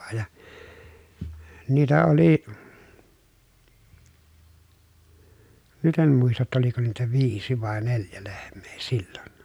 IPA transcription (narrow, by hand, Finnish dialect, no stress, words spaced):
jɑ niːtæ oli nyt em muistɑ tːɑ oliko niːtæ ʋiːsi ʋɑˑe neljæ lehmˑe̥ː si̥l̥ːo̥n̥